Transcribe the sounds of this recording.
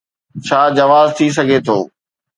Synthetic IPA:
t͡ɕʰaːd͡ʑɐʋaːzt̪ʰis̬ɐɡʱet̪ʰo̰ː

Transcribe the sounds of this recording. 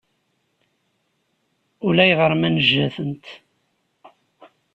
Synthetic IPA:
ʊlæjʁəɾˤmænəʒːæθənt̪

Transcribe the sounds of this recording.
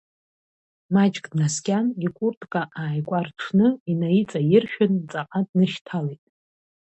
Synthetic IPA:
mat͡ʃʼɡʼnaskʲʼanikʷʼurtʼkʼaʔaːjkʷʼarʈ͡ʂʰnɨinajit͡sʼajɪrʃᶣʊnt͡sʼaqʼadnɨʃtʰalejtʼ

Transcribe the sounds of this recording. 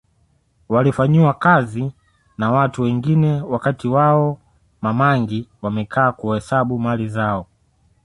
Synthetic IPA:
walifaɲiwakazi | nawatuwɛŋɡinɛwakatiwaɔ | mamaŋɡiwamɛkʰaːkuhɛsaɓumalizaɔ

